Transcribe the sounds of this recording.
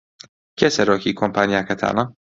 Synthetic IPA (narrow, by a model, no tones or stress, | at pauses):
kʲɛsɛɾokʲikʰompanʲijakat̪ʰa̰na